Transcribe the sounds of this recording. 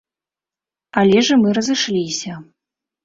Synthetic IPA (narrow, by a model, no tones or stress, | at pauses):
alʲɛʐɐmɨɾɐzɨʂlʲisʲɐ